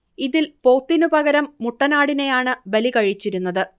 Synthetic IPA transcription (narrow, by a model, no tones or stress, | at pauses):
iðilpo̞ːt̪ːinupɐɣɐɾɐmːuʈːɐnaːɽine̞jaːɳɨbelikɐɻit͡ɕːiɾun̪ːɐðɨ